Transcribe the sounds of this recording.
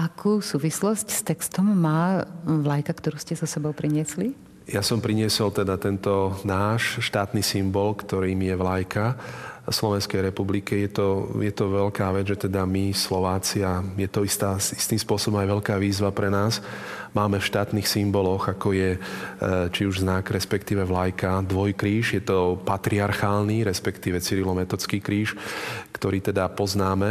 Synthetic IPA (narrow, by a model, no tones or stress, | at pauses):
akʰuːsuːʋislɔscst̪ɛkst̪ɔmːaːʋlajkakt̪ɔɾuːscɛzɔsɛbɔʊpɾiɲɪɛsli | jasɔmpɾiɲɪɛsɔlt̪ɛd̪at̪ɛnt̪ɔnaːʃʃt̪aːt̪nisimbɔlkt̪ɔɾiːmjɛʋlajkʰaslɔʋɛnskɛjɾɛpublikɛjɛt̪ɔjɛt̪ɔʋɛʎkaːʋɛd͡zʒɛt̪ɛd̪amislɔʋaːt͡siajɛt̪ɔist̪aːist̪iːmspʊɔsɔbɔmajʋɛʎkaːʋiːzʋapɾɛnaːsmaːmɛfʃt̪aːt̪niːxsimbɔlɔɣakɔjɛ | t͡ʃiuʒznaɡɾɛspɛkt̪iːʋɛʋlajkad̪ʋɔjkɾiːʃjɛt̪ɔpat̪ɾiaɾxaːlniɾɛspɛkt̪iːʋɛt͡siɾilɔmɛt̪ɔt͡skiːkɾiːʃkt̪ɔɾiːt̪ɛd̪apɔznaːmɛ